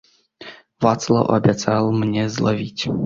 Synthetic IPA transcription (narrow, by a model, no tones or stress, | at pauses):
vat̪slˠɔ̰ʔɔ̰bʲɛt̪t͡s̪alˠmɲʲɛzlˠɔvʲitʲ